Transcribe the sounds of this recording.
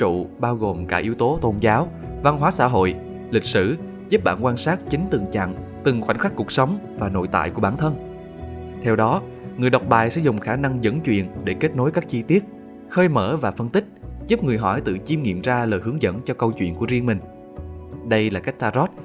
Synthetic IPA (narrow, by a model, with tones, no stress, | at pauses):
t͡ɕṵ˧˨ɓaː˧wɣo˨˩mkaː˧˩ʔi˨˦əwt̪o˨˦t̪o˧nzaː˨˦w | va˧nɦwaː˨˦sa̰ː˧˥ɦo̰˧˨j | lï˨˩k̟̚sɨ̰˧˩ | zu˦˥p̚ɓa̰ː˧˩nkwaː˧nsaː˦˥t̚t͡ɕï˨˦ŋ̟t̪ɨ̰˨˩ŋt͡ɕa̰ː˧˨ŋ | t̪ɨ˨˩ŋxwa̰˧˩jŋxwa˦˥k̚ku˨˩ək̚sə˨˦wŋ͡m | vaː˨˩no̰˧˨jt̪a̰ː˧˨jku˧˩əɓaː˧˩nt̪ʰə˧n | t̪ʰɛ˧wɗɔ˨˦ | ŋɨ˨˩əjɗa˨˩wk͡p̚ɓaː˨˩jsɛ̰˧˥zʊ˨˩ŋ͡mxaː˧˩na˧ŋzə̰˧˥nt͡ɕwḭ˧˨ənɗe˧˩ke˦˥t̚no˨˦jkaː˦˥k̚t͡ɕi˧t̪i˦˥ət̚ | xəː˧jmə̰ː˧˩vaː˨˩fə˧nt̪ï˦˥k̟̚zu˦˥p̚ŋɨ˨˩əjɦɔ˧˩jt̪ɨ̰˧˨t͡ɕi˧mŋḭ˧˨əmzaː˧ləː˨˩jɦɨ˨˦ŋzə̰˧˥nt͡ɕɔ˧kə˧wt͡ɕwḭ˧˨ənku˧˩əzi˧əŋmï˨˩ŋ̟ | ɗə˧jlaː˨˩ka˦˥k̟̚t̪aː˧zɔ˦˥t̚